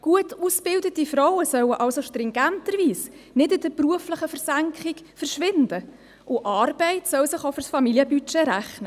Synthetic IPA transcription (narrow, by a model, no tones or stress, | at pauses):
ɡ̥uətusb̥ɪldətifɾɔwəsœwəʔɑlsoʃtɾɪŋɡæntəɾviːs | nɪdɪd̥əpruəfləχəfəɾsæŋkχɪk | fəɾʃʋɪnd̥ə | ʔʊʔɑːrbɛɪtsœwsɪχoʊfʏrsfɑmiliəbyt͡ʃeɾæχnə